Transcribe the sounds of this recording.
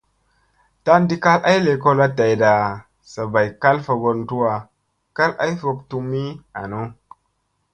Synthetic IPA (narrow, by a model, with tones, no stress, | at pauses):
ta˦ndi˦ka˦lʔa˦jle˨ko˦la˦ta˨jda˨ | sa˨ba˨jka˦lfa˨ɡo˨˦ntu˦wa˨ | ka˦la̰˦jfo˨k̚tu˦mi˦a̰˨no˦